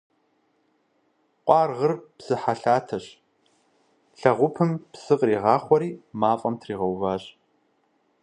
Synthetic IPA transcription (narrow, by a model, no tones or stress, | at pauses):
qʷʼɑːrʁərpsɨħaɬaːtʰɐɕ | ɬɐʁʷʊpʰɨmpsɨqʼriːʁɑːχʷɔɾiːmaːfʼɐmtʰriːʁɐwvaːɕ